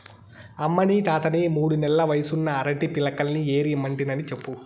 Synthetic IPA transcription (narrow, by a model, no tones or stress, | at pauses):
ɐmːɐnit̪aːt̪ɐnimuːɽunɛlɐʋɐjɐsunːɐːɾɐʈipilɐkɐlnie̞ːɾimɐɳʈinɐnit͡ʃepːu